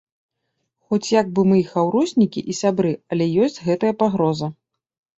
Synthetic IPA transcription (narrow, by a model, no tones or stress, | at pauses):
xɔt͡sʲjaɡ̚bɨmɨixawɾɔsʲnʲikʲḭʔisʲabɾɨɐlʲɛjɔsʲt͡sʲɣɛt̪ɐjɐpaɣɾɔzɐ